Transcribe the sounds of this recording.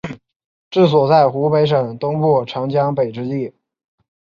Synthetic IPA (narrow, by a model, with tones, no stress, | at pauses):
ʈ͡ʂɻ̩˥˩s̬wɔ˨˩t͡sa˥˩ɪxu˧˥pe˧˥ɪʂɤ˨˩ŋt̪ʊ˥ŋpu˥˩ʈ͡ʂʰɑ˧˥ŋt͡ɕjɑ˥ŋpe˨˩ɪʈ͡ʂɻ̩˧˥t̪i˥˩